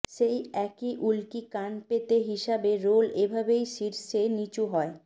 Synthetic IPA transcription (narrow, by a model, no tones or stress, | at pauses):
ʃejɛkiʔulkikanpet̪eɦiʃabeɾolebʱabejʃiɾʃenit͡ɕuɦɔe